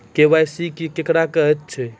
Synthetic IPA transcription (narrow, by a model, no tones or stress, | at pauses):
kewajsikikekɽakəɦɛt̪ːt͡ʃʰɛ